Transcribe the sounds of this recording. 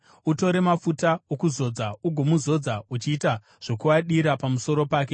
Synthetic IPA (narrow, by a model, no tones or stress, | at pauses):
uto̞ɾe̞mafutaokuzo̞d͡zauɡʱo̞muzo̞d͡zaut͡ʃiːta | ʐ̥o̞kuwaɗiɾapamuso̞ɾo̞paːke̞